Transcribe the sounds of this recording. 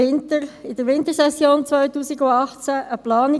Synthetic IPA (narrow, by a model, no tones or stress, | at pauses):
ɪntəɾɪd̥̪əɾʋɪnt̪əsɛsjoːnt͡svœʏtuːsiɡʊɑχt͡sæʔəplɑːnɪ